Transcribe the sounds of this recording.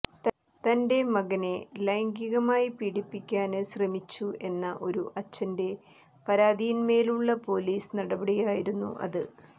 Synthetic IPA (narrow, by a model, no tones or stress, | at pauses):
t̪ɐnde̞mɐɣɐne̞lɐjŋɡiɣɐmaːjipiɽipːikʲːaːnɨɕrɐmit͡ɕːue̞nːɐʔo̞ɾuʔɐt͡ɕːɐnde̞ | pɐɾaːðijinme̞ːluɭːɐpo̞ːliːsnɐɽɐbɐɽijaːjiɾunːṵʔɐ̰ðɨ